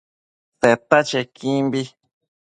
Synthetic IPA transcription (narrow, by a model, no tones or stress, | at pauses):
θet̪at͡ʃekĩmbi